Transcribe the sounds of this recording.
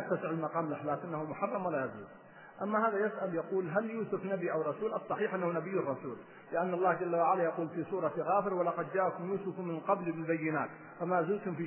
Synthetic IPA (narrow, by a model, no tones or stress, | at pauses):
at̪ːasɪʕɪlmɑqɑːmlɪħlaːkɪnːahumʊħɑrˤːɑmwalːajazṵːd̪ | ʔamːahaːðajɪsʔaljɑquːlɦaljuːsʊfnabiʔawɾˤɑsuːlʔɑsˤːɑħiːħʔanːahunabɪjːɪrˤːɑsuːl | lɪʔanːɑlˤːɑːhd͡ʒalːawaʕalajɑquːlfisˤuːɾˤɑfiɣaːfɪɾwalɑqɑd̪d͡ʒaːʔakʊmjuːsʊfmɪnqɑblɪbɪlbajːɪnaːt̪ | famazɪlt̪ʊmfi